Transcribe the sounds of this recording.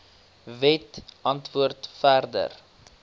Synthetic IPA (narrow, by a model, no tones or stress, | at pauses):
vɛtʔɐntvuərtfærdə̰r